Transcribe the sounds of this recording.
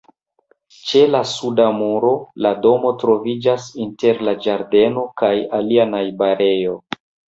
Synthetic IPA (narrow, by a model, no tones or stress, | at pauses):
t͡ʃe̞lasudamuɾo̞lado̞mo̞tɾo̞vid͡ʒasinte̞ɾlad͡ʒaɾde̞no̞kajalianajbaɾe̞jo̞